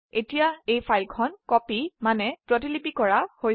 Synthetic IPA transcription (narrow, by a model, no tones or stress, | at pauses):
etijaejpʰajlkʰɔnkɔpimanɛpɹɔt̬ilipikɔɹahoj